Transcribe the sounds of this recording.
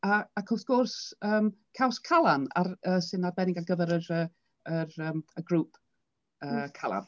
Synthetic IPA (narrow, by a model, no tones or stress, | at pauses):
aakʰʊθɡ̥ʊrsəːmkʰawskʰalˠana̰rəːsɨnad̚bɛnɪɡaɡəvɛɾəɾə | ərəːməɡruːpʰ | əːkʰalˠa̰n